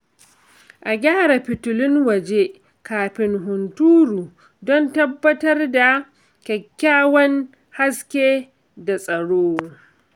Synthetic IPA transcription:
ʔa˨ɡʲaː˦ɽa˨ɸɪ˨tʊ˨lɪ˦ŋwɐ˨d͡ʒe˦ | kaː˨ɸɪ˨ŋɦʊ˨ntuː˦ɾuː˨ | dɔ˦ntɐ˦bːɐ˦tɐ˦rda˨ | kʲɛ˨kʲːaː˦wɐ˦n | ha˦skʲeː˦ | da˨sʼɐ˨ɽoː˦

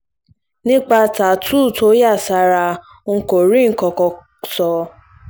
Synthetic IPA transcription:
nĩ˦k͡pa˧ta˨tu˦˨tʰo˦ja˦˨sa˧ɾa˧˦˧ | ko˨ɾi˦˨ŋ̩˦kɔ˧kɔ˧ | sɔ˧

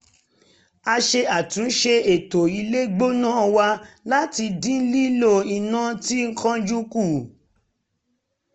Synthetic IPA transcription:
a˧ʃe˧a˨tũ˨˦ʃe˧e˨to˨i˧le˦ɡ͡bo˦nã˦ɔ˧wa˧la˦ti˧dĩ˦n̩˦li˦lo˦˨i˨nã˦ti˦ŋ̩˦kã˦d͡ʒu˦ku˦˨

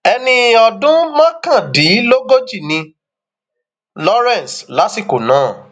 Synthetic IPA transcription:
ɛ˧nĩ˧ɔ˨dũ˦mã˦kã˦˨di˨˦lo˦ɡo˦d͡ʒi˦˨nĩ˧ | lɔ˦ɾɛ̃˦˨n˨sla˨˦si˦˨ko˨nãː˨˦˨

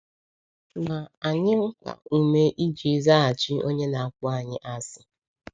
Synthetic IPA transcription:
ma˨a˨ɲɪ˦ŋ͡m̩˦kʷa̰˨u˦me˦ʔi˦d͡ʒi˨˦za˦a˨t͡ʃi˦o˦ɲe˦na˨a˨kʊ˦a˨ɲɪ˦ʔa˦sɪ̥˨

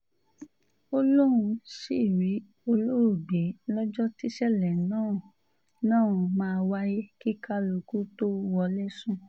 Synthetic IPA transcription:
o˦lo˦ɾũ˧si˦˨ɾi˨˦ | o˧lo˦ɾu˦˨ɡ͡be˨˦lɔ˦d͡ʒɔ˦ti˦ʃɛ˦˨lɛ˨nã˦˨ | nãː˦˨ũ˨mãː˦˧wa˦je˦ki˦ka˦lu˧ku˦to˦wɔ˧lɛ˦sũ˦

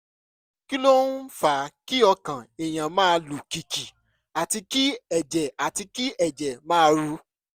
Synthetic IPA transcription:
ki˦lo˦n̩˦fa˨˦ki˦ɔ˧kã˨e˨j̃ã˨mãː˦˧lu˨ki˨ki˨ | a˨ti˧ki˦ɛ˨d͡ʒɛ˨a˨ti˧ki˦ɛ˨d͡ʒɛ˨mãː˦˧ɾu˧˦

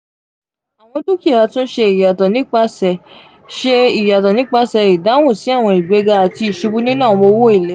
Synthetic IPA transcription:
a˨w̃ɔ̃˧˦tu˦ki˦a˨a˧tũ˦n̩˦ʃe˧i˨ja˨tɔ̃˨nĩ˦k͡pa˧sɛ˨ | ʃe˧i˨ja˨tã˨nĩ˦k͡pa˧sɛ˨˧i˨da˨˦wũ˦˨si˨˦a˦˨w̃ɔ̃˧i˨ɡ͡be˨˦ɡa˧a˨ti˧i˨ʃu˧bu˦nĩ˦nãː˦˨˧mo˧wo˦i˦˨le˨˦

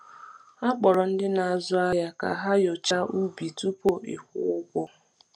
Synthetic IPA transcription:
a˦k͡pɔ˨ɾɔ˨n̩˦dɪ˦na˨a˨zʊ˦a˦ja˦ka̰˨ɦa˦jo˨t͡ʃa˦ʔu˦bi˨tu˦po˦ɪ̰˨hʊ̰˦ʊ˦ɡʷɔ˦

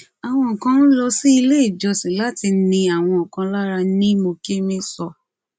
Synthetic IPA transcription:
a˨w̃ɔ̃˧ɔ˨kã˧˦n̩˦lɔ˧si˦i˧le˦i˦˨d͡ʒɔ˧sĩ˨la˦ti˧nĩ˧a˨w̃ɔ̃˧ɔ˨kã˧˦la˦ɾa˧nĩ˦mo˧ke˦mĩ˦sɔ˧

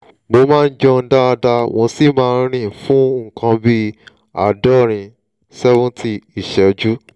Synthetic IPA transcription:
mo˧mãː˦˧n̩˦d͡ʒɔ˧n̩˦da˦a˧da˧w̃ɔ̃˧si˦˨mãː˦˧˦ɾ̃ĩ˦˨fũ˦ŋ̩˨kã˧bi˦ | a̰˦˨dɔ˦˨ɾ̃ĩ˨ | sɛ˦vũ˦ntʰi˧i˨ʃɛ˨d͡ʒu˦

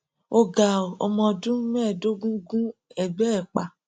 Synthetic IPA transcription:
o˧ɡa˨ɔ̰˧mɔ̃˧dũ˦mɛ̃˦˨do˦ɡũ˦ɡũ˦ɛ˨bɛ˦ɛ˦˨k͡pa˨

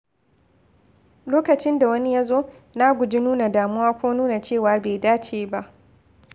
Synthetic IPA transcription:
loː˦kɐ˨t͡ʃɪ˦nda˨wɐ˦ni˦ja˦zoː˦ | na˦ɡʷʊ˨d͡ʒi˦nuː˦na˨daː˨mʊ˦waː˦kʷoː˦nuː˦na˨t͡ʃeː˦˨waː˨beː˨daː˦t͡ʃeː˨ba˦ʔ

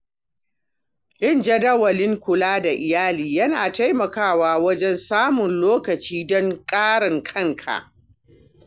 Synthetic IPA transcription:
ʔɪ˦nd͡ʒɐ˦dɐ˦wɐ˨lɪ˦ŋkʷʊ˨laː˦da˨ʔɪ˨jaː˦liː˨jɐ˦naː˨ta˦jmɐ˨kaː˦˨waː˦wɐ˦d͡ʒɛ˦nsaː˦mʊ˨nloː˦kɐ˨t͡ʃiː˦dɔ˦ŋkʼaː˦ɽɐ˨ŋkʰɐ˦˨ŋkʰa̰˨ʔ

